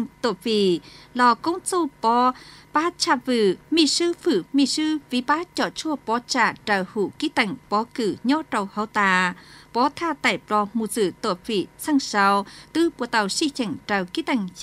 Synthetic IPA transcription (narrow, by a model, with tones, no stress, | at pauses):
ŋt̪o˧˩fi˧˩lɔ˧˩ko˧˦wŋt͡so˧pɔ˧˦paː˧˥t͡ɕa˧˩vɨ˧˩mi˧˨sɨ˧fɨ˧˩mi˧˩sɨ˧vi˧˦paː˧˥t͡ɕɔ˧˩t͡ɕu˧əpɔ˧˦t͡ɕaː˧˩ʈ͡ʂa˨˩whu˧˩ki˧˥t̪a˧˩ŋ̟pɔ˨˧˦kɨ˧˩ɲɔ˧˦tə˨˩whə˨˧˦wt̪aː˧˩pɔ˨˧˦t̪ʰaː˧t̪a̰˧˩jplɔ˧mu˨˧˩zɨ˧˨˩t̪o˧˩fi˧˩sa˧ŋsa˨˧wt̪ɨ˧pu˧˨t̪a˨˧˩wsi˧˨t͡ɕa˧˩ŋta˨˧˩wki˧˦˥t̪a˧˩jŋ